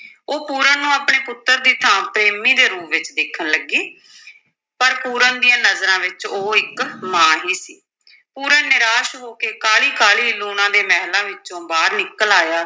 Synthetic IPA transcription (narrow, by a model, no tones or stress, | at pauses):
oːpuːɾənnũːaːpɳeːpʊt̪ːəɾd̪iːt̪ʰãːpɾeːmiːd̪eːɾuːpʋɪt͡ʃd̪eːkʰənləɡiː | pəɾpuːɾənd̪ɪjãːnəzɾãːʋɪt͡ʃoːɪkmãːɦiːsiː | puːɾənnɪɾaːʃɦoːkeːkaːliːkaːliːluːnãːd̪eːmɛːɦlãːʋɪt͡ʃõːbaːɾnɪkːəlaːjaː